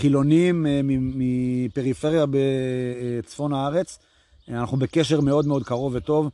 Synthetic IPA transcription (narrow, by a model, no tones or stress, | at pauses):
χilo̞nimimipe̞ʁife̞ʁjabe | t͡sfo̞naaʁe̞t͡s | anaχnube̞keʃeʁme̞o̞d̪meo̞d̪̚kaʁo̞vet̪o̞v